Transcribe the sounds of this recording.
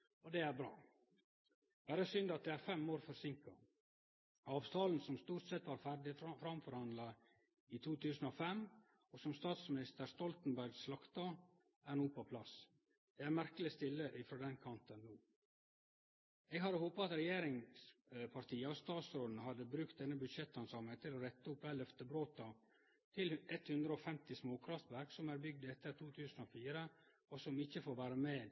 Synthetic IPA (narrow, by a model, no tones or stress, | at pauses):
ɔd̪ɛæɾbɾɑ̰ː | bæːɾəsʏnd̪ɑt̪̚d̪ɛæːɾfɛmːoːɾfɔɾsɪŋkɑ | ɑːʋt̪ʰɑːln̩sɔmst̪uːɾʈsɛt̪ʋɑːɾfæɾɖɪfɾɑmfɔɾhɑnd̪lɑ | it̪ʰuːt̪ʉːsnofɛm | ɔsɔmst̪ɑːt̪smɪnɪst̪əɾst̪ɔlt̪n̩bæɾɡslɑkt̪ɑ | æɾnuːpʰɔpʰlɑs | d̪ɛæɾmæɾkəlɪst̪ɪlːəʔɪfɾoːd̪ɛnkʰɑnt̪ənːuː | eːɡhɑd̪əhoːpɑɑt̪ɾɛjeːɾɪŋspʰɑɾt̪iːəɔst̪ɑːt̪sɾoːd̪n̩ɦɑd̪əbɾʉkt̪̚d̪ɛnːəbʉd̪ʃɛt̪ːɑnsɑmət̪ʰɪloːɾɛt̪ːəʊpʋæːlœft̪əbɾoːt̪ɑ | t̪ʰɪlɛt̪hʉnd̪ɾəɔfɛmt̪ɪsmoːkʰɾɑft̪ʋæɾksɔmæːɾbʏɡ̚d̪ɛt̪ːəɾt̪ʰuːt̪ʰʉːsn̩oːfiːɾə | ɔsɔmɪçəfoːɾʋæːɾəmeː